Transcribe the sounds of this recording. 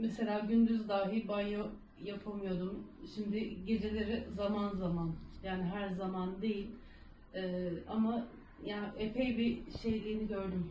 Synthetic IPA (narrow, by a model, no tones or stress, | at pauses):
mese̞lʲaːɟynd̪yzd̪aːɦibanjo | japʰamɯjo̞d̪umʃimd̪ɪɟe̞d͡ʒe̞lʲe̞ɾizamanzamanjaːnɪɦæɾzamand̪e̞jilʲ | ɛːama | jaːnɪʔepʰejbiʃe̞jlʲiːniɟø̞ɾd̪ym